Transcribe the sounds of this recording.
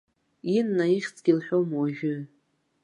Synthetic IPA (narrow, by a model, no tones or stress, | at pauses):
inːaiχʲt͡sʰʼɡ̥ʲilħʷᶣomwaʒᶣʊ